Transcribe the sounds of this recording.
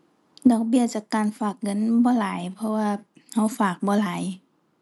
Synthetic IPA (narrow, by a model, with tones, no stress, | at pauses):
dɔː˨˩k̚bi˧˩ət͡ɕaː˧˩kaː˨˩nfaː˨˩k̚ŋɤ˧˥˨nbɔː˨˧˦laː˨˦jpʰɔ˧waː˧ha˧˩wfaː˨˩k̚bɔː˧˦laː˨˦j